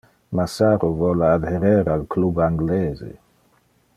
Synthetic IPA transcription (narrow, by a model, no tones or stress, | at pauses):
masaɾovɔlaad̪heɾɛɾalkʰlubaŋɡlezḛ